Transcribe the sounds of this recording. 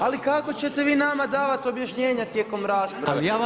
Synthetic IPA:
alikako̞t͡ɕe̞t̪eʋiːnamad̪aːʋat̪io̞bjaʃɲe̞ːɲat̪jeːko̞mɾaːspɾajaː

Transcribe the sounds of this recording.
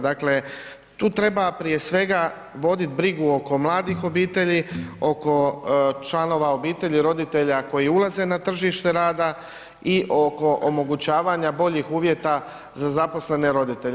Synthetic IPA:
d̪akle̞ | t̪uːt̪ɾe̞bapɾije̞sʋe̞ɡa | ʋo̞d̪it̪bɾiɡuo̞ko̞mlˠaːd̪ixo̞biːt̪e̞ʎio̞ko̞t͡ʃlano̞ʋao̞biːt̪e̞ʎiɾo̞d̪it̪e̞ʎako̞jiulˠaze̞nat̪r̩ʒiʃt̪e̞ɾaːd̪a | iʔo̞ko̞ʔomo̞ɡut͡ɕaːʋaɲabo̞ʎixuːʋje̞t̪a | zazapo̞sle̞ne̞ɾo̞d̪it̪e̞ʎ

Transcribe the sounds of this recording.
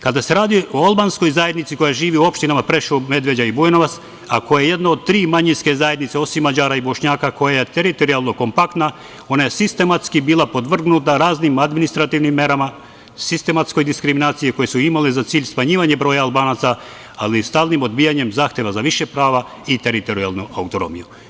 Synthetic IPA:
kad̪ase̞ɾaːd̪ioalˠbansko̞jzaje̞d̪nit̪sikojaʒiːʋiuo̞pʃt̪inamapɾe̞ʃome̞d̪ʋe̞d͡ʒaibujenoʋat̪s | a̰ko̞jajeje̞d̪naod̪̚t̪ɾiːmaɲinske̞zajed̪nit̪seo̞simːad͡ʒaːɾaibo̞ʃɲaːkako̞jajet̪e̞ɾit̪o̞ɾialˠno̞ko̞mpakt̪na | o̞najesist̪e̞mat̪skibiːlˠapo̞d̪ʋr̩ɡnut̪aɾaːznimad̪minist̪ɾat̪iʋnimːe̞ɾama | sist̪e̞mat̪sko̞jd̪iskɾiminaːt̪sijeko̞jesuimalezat̪siːʎsmaɲiːʋaɲebɾo̞ːjaːlˠbaːnaːt̪sa | alist̪aːlˠnimo̞d̪bijaɲe̞mzaːxt̪je̞ʋazaʋiʃepɾaːʋa | it̪eɾit̪o̞ɾialˠnuʔaut̪o̞no̞̰mḭju

